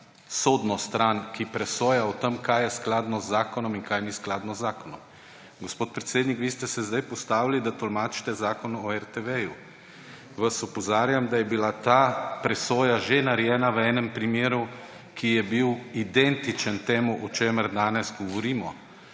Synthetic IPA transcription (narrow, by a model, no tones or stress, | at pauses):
sod̪nɔst̪ɾankipɾɛsoːjaɔt̪əmkajɛsklaːd̪nɔzːaːkɔnɔminkajnisklaːd̪nɔzːaːkɔnɔm | ɡospoːt̪̚pɾɛt̪seːd̪nikʋiːst̪ɛsɛzd̪ajpɔst̪aːwilid̪at̪ɔlmaːt͡ʃi̥t̪ɛzaːkɔnɔɛɾt̪ɛʋɛju | ʋasɔpɔzaːɾjamd̪ajɛbilat̪apɾɛsoːjaʒenaɾjɛːnaʋəɛːnɛmpɾimjeːɾu | kʰijɛbiwid̪ɛnt̪it͡ʃənt̪eːmuʔɔt͡ʃeːməɾd̪aːnɛzɡɔʋɔɾiːmɔ